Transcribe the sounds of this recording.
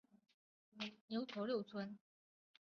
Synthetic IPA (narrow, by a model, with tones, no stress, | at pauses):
njo˧˥ʊt͡sʰɔ˧˥ljo˥˩ʊt͡sʰwə˥n